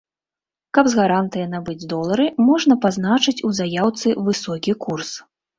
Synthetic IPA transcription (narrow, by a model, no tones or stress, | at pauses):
kɐbzɣaɾant̪ɨjɐnabɨd͡zʲd̪ɔlˠɐɾɨmɔʐnɐpazn̪at͡ʂɨt͡sʲuzajawt̪sɨvɨsɔkʲikurs